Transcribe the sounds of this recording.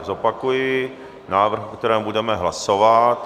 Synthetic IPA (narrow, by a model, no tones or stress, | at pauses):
zopakujɪ | naːvr̩xkt̪ɛɾɛːmbudɛmɛɦlasovat̪